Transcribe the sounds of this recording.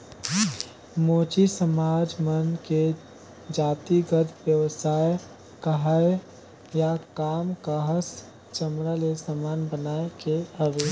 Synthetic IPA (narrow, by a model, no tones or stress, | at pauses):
moːt͡ʃisəmaːd͡ʒmənke | d͡ʒaːt̪iɡət̪ʰbjəwsaːj | kəɦae | jakaːmkəɦəs | t͡ʃəmɾalesəmaːnbənaːekeɦəʋe